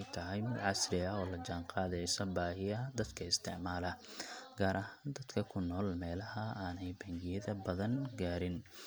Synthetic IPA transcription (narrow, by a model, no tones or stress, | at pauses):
jt̪ʰɐɦɛjmɪd̪ʕɑsrɪɐɔːlɐd͡ʒaːɴqɑːðɛjsɔbaːɦɪjɐd̪ɐd̪kʰɐɪst̪ʰɪʕmaːlɐɡ̥aːɾʔɐɦaːnd̪ɐd̪kʰɐkʰʊnːɔːlmɛːlɐɦɐaːnɛjbɐŋɡɪjɐðɐbɐðɐnɡaːɾɪn